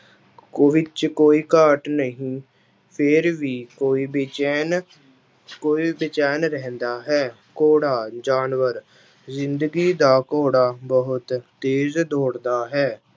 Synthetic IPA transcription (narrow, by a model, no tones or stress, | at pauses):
koʋɪt͡ʃkoːiːkaːʈnəɦĩː | pʰɪɾʋiːkoːiːbn | koːiːbɪt͡ʃɛːnɾɛɦɛ̃nd̪aːɦɛː | koːɽaːd͡ʒaːnʋəɾ | zɪnd̪əɡiːd̪aːkoːɽaːbəɦʊt̪ː | eːzd̪oːɽd̪aːɦɛː